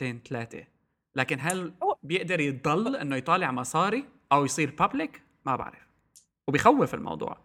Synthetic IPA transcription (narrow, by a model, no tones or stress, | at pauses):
t̪eːnt̪alaːt̪ḛ | laːkɪnɦalbjɪʔd̪ɑɾˤjɪd̪ˤɑlːʔɪnːojt̪ˤɑːlɪʕmɑsˤɑːɾi | ʔawjsˤiːɾpablɪk | maba̰ʕɾɪf | wbɪjxawːɪfɪ̰lmʔɑ̰wd̪ˤṵːʕ